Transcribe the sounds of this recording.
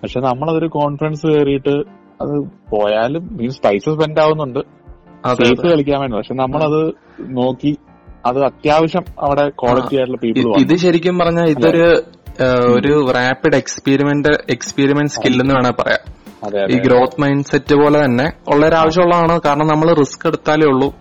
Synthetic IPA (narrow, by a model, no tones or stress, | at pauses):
pɐkʂe̞ːnɐmːɐɭɐðo̞ɾuko̞ːɳfɾɐnsɨkeːrijiʈːɨ | ɐðɨpo̞ːjaːlummiːmspɐjsɐsbendaːɣunːuɳɖɨ | ɐðeejðɨkɐɭikʲːaːmeɳnɨpɐkʂeːnɐmːɐɭɐðɨ | no̞ːkːi | ɐðɨɐt̪jaːʋɐɕjɐmɐ̰ʋiɽe̞ko̞ːɭɐijaːjʈ̬ːuɭːɐpiːpːiɭʋaiðɨɕɐɾikʲːumpɐrɐɲːaːliðo̞ɾu | oɾuraːpːiɽekspeːɾimendɨekspeːɾimenskilːenːuaːɳepɐ̰rɐ̰ja̰ːmɐeiːɡɾo̞ːt̪ːmɐjnsetːɨpo̞ːlet̪ɐnːe̞oɭːɐoɾaːʋɐɕ̬jɐmuɭːɐðaːɳɨkaːɾɐɳɐmnɐmːɐɭriskːe̞ɽut̪ːaːleuɭːu